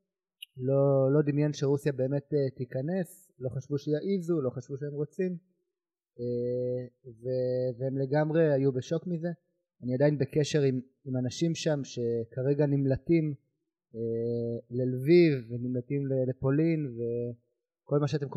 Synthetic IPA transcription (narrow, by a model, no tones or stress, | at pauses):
lo̞lo̞d̪imjanʃeʁusjabe̞ːme̞t̪et̪ikane̞s | lo̞χaʃvuʃejaʔizulo̞χaʃvuʃeemʁo̞t͡sim | e | veveemle̞ɡamʁe̞ajube̞ʃo̞kmize̞ | aniad̪ajinbekeʃe̞ʁim | imanaʃimʃamʃe̞kaʁe̞ɡanimlatim | elelvivːenimlat̪imlelepo̞linve̞ | ko̞lmaʃeat̪e̞mk